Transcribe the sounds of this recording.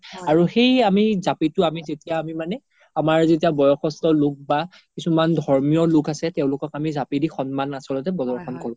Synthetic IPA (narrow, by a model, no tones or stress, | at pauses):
aɹuxejamizapitʊamizetijaːmimanɛ | amaɹzetijabɔjɔxɔstɔlʊk̚ba | kisumandʱɔɹmijɔlʊkasɛtɛʊ̃lʊkɔkamizapidixɔnmanasɔlɔtɛbɔzɔɹxʰɔnkɔɹʊ̃